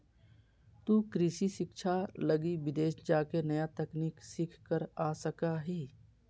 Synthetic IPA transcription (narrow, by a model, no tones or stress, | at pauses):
t̪uːkɾɪʃiʃɪkʃʰaləɡiʋɪd̪eːʃd͡ʒaːkenɐjat̪ɛkniːksɪkʰkəɾaːsəkaɦiː